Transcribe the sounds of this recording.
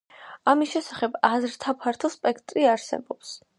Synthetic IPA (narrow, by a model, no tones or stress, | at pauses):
amisʃɛsaχɛbazɾt̪ʰapʰaɾt̪ʰɔspʼɛkʰt̪ʼɾiaɾsɛ̰bɔps